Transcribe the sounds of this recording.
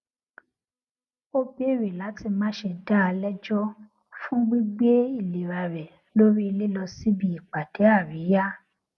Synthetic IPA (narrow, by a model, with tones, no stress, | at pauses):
o˦be˦˨ɾe˨la˨˦ti˧mãː˨˦ʃe˧da˦˧lɛ˦d͡ʒɔ˦ | fũ˦ɡ͡bi˦ɡ͡be˦i˦˨le˨ɾa˨ɾɛ˨ | lo˦ɾi˦i˧le˦lɔ˧si˦bi˧˨i˨k͡pa˨de˨˦a˦˨ɾi˨˦ja˦